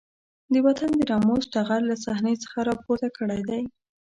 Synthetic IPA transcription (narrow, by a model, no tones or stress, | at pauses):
d̪əwat̪and̪əɾɑmozʈaɣallasahnet͡sə̥xaɾɑpoɾt̪akʰəɽajd̪aj